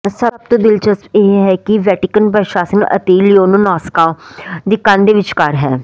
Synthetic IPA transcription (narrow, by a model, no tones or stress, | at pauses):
səb̚t̪õːd̪ɪlt͡ʃəseːɦɛːkiʋɛːʈɪkənpɾəʃaːsənə̰t̪eːlioːnũːnaːskãːd̪iːkãːnd̪eːʋɪt͡ʃkəɾɦɛː